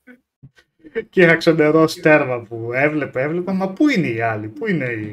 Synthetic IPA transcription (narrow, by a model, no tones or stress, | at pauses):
cixɐksond̪eɾost̪e̞ɾvɐpuevle̞peevle̞pɐmɐpuineiɐlipuine̞i